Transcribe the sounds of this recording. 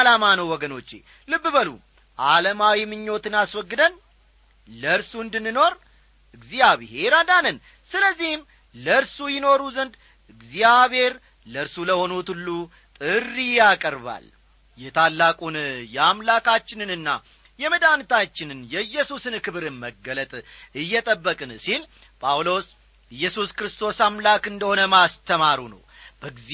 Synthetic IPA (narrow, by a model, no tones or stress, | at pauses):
alamanəwwɔɡəno̞t͡ʃːḛ | lɨbːɨβəlṵ | ʔaləmawimɨɲːo̞t̪ɨnaswɔɡːɨd̪ən | ləɾsuɨnd̪ɨnːɨno̞ɾ | ʔɨɡzijaβɨhe̞ɾad̪anən | sɨləzːihm | ləɾsujɪno̞ɾuzənd̪ | ɨɡzijaβhe̞ɾ | ləɾsuləho̞not̪ulːu | t̪ʼɨrːijakʼəɾβa̰l | jɛt̪ʰalːakʼunjɛamlakʰat͡ʃːɪnɨnɨnːa̰ | jɛməd̪ant̪ʰat͡ʃːɪnɨnjɛɨjːɛsusɨnkɨβɨɾɨməɡːələt̪ʼɨjːɛt̪ʼəbːəkʼɨnsil | pʼawlo̞s | ɨjːɛsuskɾɨst̪ʰo̞samlakɨnd̪əho̞nəmast̪ʰəmaɾunə̰w | bəɡz